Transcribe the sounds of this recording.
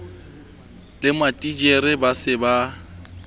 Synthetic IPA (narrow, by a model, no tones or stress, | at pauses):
lɪmatʼid͡ʒeɾɪbasɪba